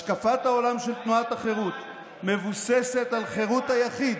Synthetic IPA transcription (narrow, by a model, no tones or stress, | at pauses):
ʃkafat̪hao̞lamʃelt̪nuat̪aχe̞ʁut̪ | me̞vusese̞t̪alχe̞ʁut̪hajaχid̪